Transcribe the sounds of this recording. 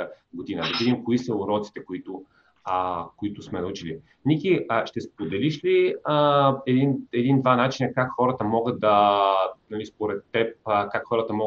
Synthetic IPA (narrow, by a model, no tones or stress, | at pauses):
ɡod̪inəd̪ɐvid̪imkoisəʊɾɔt̪si̥t̪ɛkoit̪ʊ | koit̪ʊsmɛnɐut͡ʃili | nikʲiəʃt̪ɛspod̪ɛliʃliəɛd̪inɛd̪ind̪vanat͡ʃinəkakxɔɾət̪əmɔɡəd̪̚d̪ɐ | nɐlispoɾɛt̪ːɛp̚kakxɔɾət̪əmɔ